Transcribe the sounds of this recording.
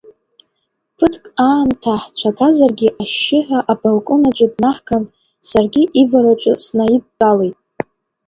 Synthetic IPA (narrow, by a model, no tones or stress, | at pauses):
pʰɨtʰkʼaːntʰaħt͡ʃʷʰaɡazarɡʲiʔaʃːɪħʷᶣaʔabalkʼonat͡ʃʷʼʊdnaħkʰan | sarɡʲiʔivaɾat͡ʃʷʼʊ̰snaid̚ːalejtʼ